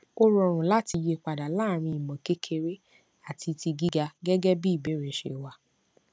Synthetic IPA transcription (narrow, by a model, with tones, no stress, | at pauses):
o˦ɾɔ˧˨ɾ̃ũ˨la˦ti˧je˧˨k͡pa˨da˨la˦˨ɾ̃ĩ˧i˨mɔ̃˨ke˦kʰe˧ɾe˦ | a˦˨tʰi˧ti˧ɡi˦ɡa˧ɡɛ˦ɡɛ˦bi˦i˦˨be˨˦ɾe˨ʃḛ˧˨wa˧